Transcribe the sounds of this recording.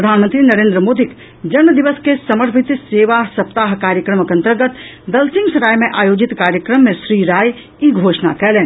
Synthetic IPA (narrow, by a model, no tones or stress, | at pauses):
pɾəd̪ʱaːnmə̃nt̪ɾinɐɾẽːnd̪ɾəmoːd̪ʱik | d͡ʒɐnməd̪iʋəskesɐməɾpʰɪt̪seːʋasɐpt̪aːɦkaːɾjəkɾəməkɐ̃nt̪əɾɡət̪ | d̪ɐlsɪ̃ŋɡsɐɾaːjmẽʔaːjoːd͡ʒit̪kaːɾjəkɾəmːẽʃɾiːɾaːj | iɡʱoːʃna̰kɛːleːn